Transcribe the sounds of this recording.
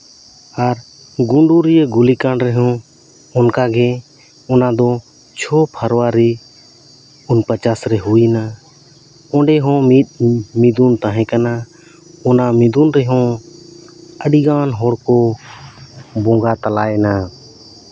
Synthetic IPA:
aɾ | ɡuɳɖuɾijeɡulikãɳɾɛɦɔ̃ | ɔnkaɡɛ | ɔnad̪ɔ | t͡ʃʰɔpʰəɾwaɾi | unpət͡ʃasɾɛɦuina | ɔ̃ɖɛɦɔ̃mit̪̚mid̪unt̪aɦɛ̃kana | ɔnamid̪unɾɛɦɔ̃ | əɖiɡanɦɔɽkɔ | bɔ̃ɡat̪alajna

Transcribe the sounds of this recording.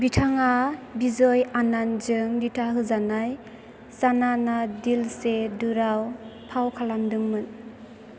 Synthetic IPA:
bitʰaŋabizɔjananzɯŋditʰaɦɯzanaj | sananadilsedɯɾawpʰawkʰalamdɯŋmɯn

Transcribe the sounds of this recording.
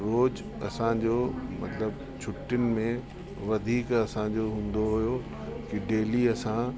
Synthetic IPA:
ɾoːd͡ʑ | ɐ̰sãd͡ʑoːmɐt̪ləb | t͡ɕʰʊʈːɪnɪ̆mẽ | ʋɐd̪ʱiːkɐsãd͡ʑoɦũːn̆d̪oɦujo | kiɖeːliɐsã

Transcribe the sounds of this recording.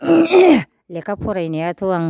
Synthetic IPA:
lekapʰuɾajneat̪uaŋ

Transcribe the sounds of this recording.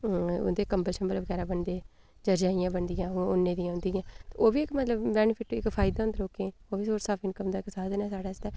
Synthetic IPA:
ʊ̰nd̪eːkəmbət͡ʃʰmət̪ləbɡɛːɾaːbəɳd̪eː | d͡ʒəɾd͡ʒaːijãːbəɳd̪ijãːʊnːẽːd̪ijãːʊ̃nd̪iːãːt̪eoːbiːɪkmət̪ləbbɛːnɪpʰɪʈːɪkpʰaːɪd̪ãːnd̪ɾoːkeːoːʋiːsoːɾsaːfʰinkəmd̪aːɪksaːd̪nɛːsaːɽaːɪst̪ɛː

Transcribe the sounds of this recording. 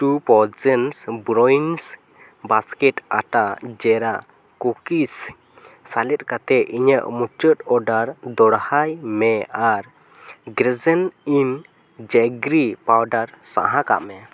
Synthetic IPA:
ʈupɔzənsbɾɔns | baskɛʈaʈaʔd͡ʒɛɾaʔ | kukisː | alɛt̪̚ˀkat̪ɛʔiɲəʔmut͡ʃət̪ɔɖaɾd̪ɔɽhajmɛaɾ | ɡɾɛzənin | d͡ʒɛɡɾipawɖaɾsa̰ɦãka̰ʔmɛ

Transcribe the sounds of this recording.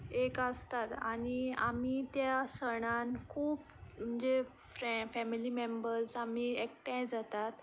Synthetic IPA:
ekəst̪at̪a̰ɽ̃ia̰mit̪jasəɽ̃ankʰuːp | m̤əɳd͡ze | fɾfɛmilimembəɾsamiekʈãjd͡zat̪at̪

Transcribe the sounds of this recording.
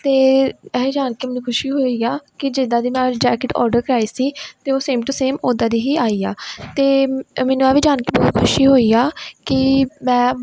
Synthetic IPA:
t̪eːɛːiːd͡ʒaːnkeːmɛːnũːkʰʊʃiːɦoːiːaːkɪd͡ʒɪd̪ãːd̪iːmɛ̃ːd͡ʒɛːkɪʈɔ̰ːɾɖəɾkəɾaːiːsiːt̪eːoːseːmʈuːseːmoːd̪aːd̪iːɦiːaːiːaːt̪eːmɛːnũːɛːʋiːd͡ʒaːnkeːbɔːt̪kʰʊʃiːɦoːiːaːkɪmɛ̃ː

